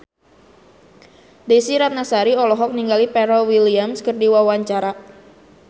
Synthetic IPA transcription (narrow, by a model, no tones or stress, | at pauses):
desiɾat̪̚nasaɾiɔlɔɦɔk̚niŋɡalipɛɾɔwiliamskərdiwawaɲt͡ʃaɾa